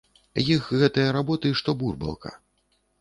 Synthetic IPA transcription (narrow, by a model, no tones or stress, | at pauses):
jixɣɛt̪ɨjɐɾabɔt̪ɨiʂt̪ɔburbɐ̰lˠkʰɐ̰